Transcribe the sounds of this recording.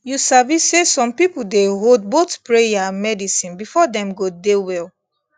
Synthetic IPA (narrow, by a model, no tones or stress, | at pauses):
jusavisːesɔ̃mpipuldeɦodbotpɹejamɛdisĩnbifɔdɛ̃mɡodewɛl